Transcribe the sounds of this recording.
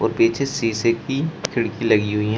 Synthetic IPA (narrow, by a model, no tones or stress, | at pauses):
ɔ̰ːɾpeːt͡ʃʰesiːsekikʰɪɽkilɐɡiɦʊiɦ